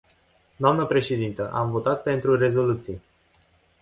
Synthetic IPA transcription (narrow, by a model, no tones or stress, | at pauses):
d̪oamnəpɾe̞ʃe̞d̪int̪əʔamvo̞t̪at̪̚pe̞nt̪ɾure̞zo̞lut̪sij